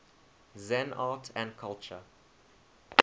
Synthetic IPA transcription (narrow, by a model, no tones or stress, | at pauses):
zɛ̃naːtʰæ̃nkʰalˠt͡ʃə